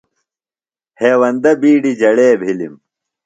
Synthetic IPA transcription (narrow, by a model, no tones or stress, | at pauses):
heːwɐnd̪ɐbiːɖid͡ʑɐɽeːbʱilim